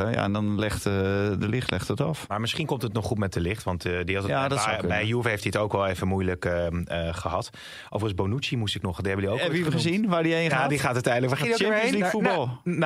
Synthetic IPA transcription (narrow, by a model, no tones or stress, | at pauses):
əja̰ɛndɔnlɛχtdəlɪχtlɛχtətɔfmaːɹmɪsχinkomtətnɔχutmɛt̚dəlɪχtʋɑntdiɑtəjadɛjjuəfəhejftiətowkʋɛlˠeːvənmujləkəχəɦɑt | ʔo̰wvərənzbonut͡ʃimustɪknɔχdihɛbədiokɛiəzinʋaːɹdienadiχaːtatɛjndləkat͡ʃɛmjəslifut̚bɔlˠ